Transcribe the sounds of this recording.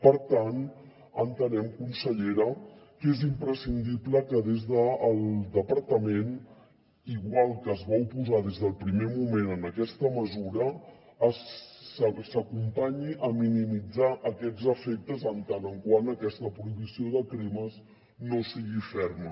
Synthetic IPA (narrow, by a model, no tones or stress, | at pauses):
pəɾt̪an | ənt̪ənɛmkunsəʎeɾəkezimpɾəsind̪ipləkəðezðəːlˠd̪əpəɾt̪əmen | iɣwalˠkəːzβaupuzað̞ezð̞əlˠpɾimemumenənəkɛst̪əməzuɾə | s | səkumpaɲiʔəminimid͡zaʔəkɛd͡zəfek̚t̪əzənt̪anəŋkwanəkɛst̪əpɾuiβisioðəkɾiməz | nosiɣifɛrmə